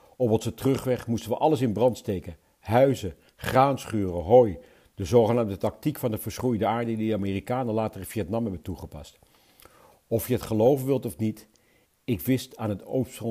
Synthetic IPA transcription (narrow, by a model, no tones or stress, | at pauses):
ɔpʋɑsətrɵχʋɛχmustənʋəʔɑləsɪnbrɑntstejkən | ɦœɥzə | χraːnsχyːrəɦoːj | d̥əzowχənaːmdətɑk̚tikfɑndəvəɹsχrujdəaːɹdədidəaːmiːrikaːnəlaːtərɪviɛtnɑmɦɛbəntuχəpɑ̰st | ɔfjəɦətχəlowvənʋɪlˠtɔfnit | ɪkʋɪstaːnɦəto̰wps